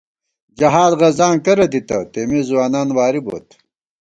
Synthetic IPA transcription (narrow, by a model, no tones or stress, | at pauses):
d͡ʑɐɦaːd̪ʁɐzãːŋkɐɾɐt̪it̪ɐ̰t̪eːmizuwaːnaːnwaːɾibo̰ːt̪